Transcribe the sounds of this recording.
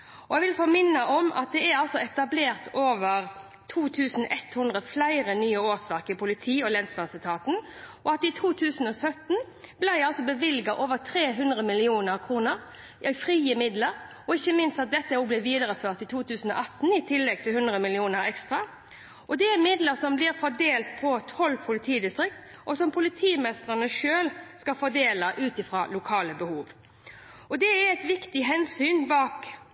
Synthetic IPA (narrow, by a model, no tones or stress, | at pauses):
ɔɛɡʋɪlfɔɾmɪnːɑʔɔmɑ̰t̪̚d̪ɛɛɾɑlsɔɛt̪ɑbleːʁt̪ʰoːʋəɾ | t̪ʰuːt̪ʰʉːsn̩ʔɛt̪hʉnd̪ʁəflæɪɾənyːəoːsʋæʁkɪpʰʊlɪt̪ʰiːɔlɛnsbɑsəlt̪ʰɑːt̪n̩ʔɔɑt̪ɪt̪ʰuːt̪ʰʉːsn̩ɔsœt̪n̩ | blæɪɑlsɔbəʋɪlɡɑʔoːʋət̪ʰɾeːɦʉnd̪ʁəmɪlɪuːnəɾkʰʁuːnəɾ | ʔɛfʁiːəmɪd̪ləɾ | ɔɪçːəmɪnst̪ɑt̪̚d̪ɛt̪ːəoːɡ̚blɪʋiːd̪əʁəføːʁt̪ɪt̪ʰuːt̪ʉːsən̩ɔ̰ʔɑt̪ːn̩ɪt̪ʰɪlːɛɡ̚t̪ʰɪlhʉnd̪ɾʁəmɪlɪuːnəɾɛkst̪ʁɑ | ʔɔd̪ɛɛmɪd̪ləɾsɔmblɪʁfɔd̪eːlt̪̚pʰɔt̪ʰɔlpʰʊlɪt̪ʰiːd̪ɪst̪ɾɪk̚t̪ | ʔɔsɔmpʰʊlɪt̪ʰiːmɛst̪ʁənəʂøːlskɑfɔd̪eːlɑʔʉːt̪ɪfɾɑːlʊkʰɑːləbəhuːʋ | ɔd̪ɛæɾɛt̪ʋɪkt̪ɪɦɛnsyːnbɑːk